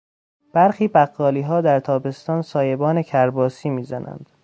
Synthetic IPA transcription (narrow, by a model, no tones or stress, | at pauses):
b̥æɾxiːbæɢːɒːliːɦɒːd̪æɾt̪ʰɒːbe̞st̪ɒːnsɒːje̞bɒːnecʰæɾbɒːsiːmiːzænʔæ̰nd̪̥